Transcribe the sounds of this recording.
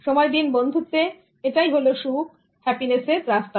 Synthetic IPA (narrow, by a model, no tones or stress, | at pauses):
ʃɔmɔjd̪inbond̪ʱut̪e | eʈajɦoloʃu | hɛpineseɾɾast̪a